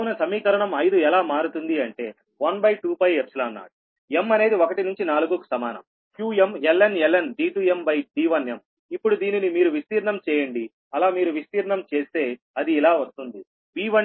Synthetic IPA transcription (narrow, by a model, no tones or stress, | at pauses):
unɐsɐmiːkɐɾɐɳɐmɐjd̪uɛlaːmaːɾut̪und̪iɐɳʈe̞̰ː | ʋɐnbɐjʈuːpɐjepsulɐːnːa̰ːɽu | e̞mːɐne̞ːd̪iokɐʈinuɲt͡ʃinaːluɡoku̥sɐmaːnɐ̰m | kjuːemelːenelːenɖiːʈuːembɐjɖiːʋɐnjɐm | ipːuɽud̪iːninimiːɾuʋist̪iːɾɳɐmt͡ʃɛːjɐɳɖi | ɐlaːmiːɾuʋist̪iːɾɳɐmt͡ʃe̞ːst̪e̞ː | ɐd̪iːlaːʋɐst̪und̪i | ʋiːʋɐ